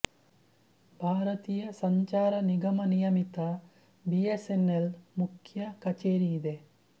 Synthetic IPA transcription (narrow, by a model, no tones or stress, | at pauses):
bʱaːɾɐt̪iːjɐsɐɲt͡ʃaːɾɐniɡɐmɐnijɐmit̪ɐ | biesenːelmukʰjɐkɐt͡ʃeːɾijid̪e